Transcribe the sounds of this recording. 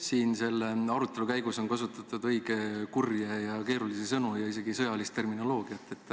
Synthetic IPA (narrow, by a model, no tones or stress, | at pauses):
siːnse̞lːeɑɾut̪ˑːe̞lukæjɡ̥uso̞nkɑsut̪ːˑɑt̪ːˑud̪̥ɤjɡ̥e̞kurjejɑke̞ːɾulisesɤnujɑise̞ɡ̥isɤjɑlist̪e̞rmino̞lo̞ːɡ̥iɑt̪ːˑe̞t̪ːˑ